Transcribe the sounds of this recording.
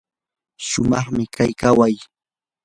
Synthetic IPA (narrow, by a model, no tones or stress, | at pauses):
ʃʊmɑχmɪkajkawaj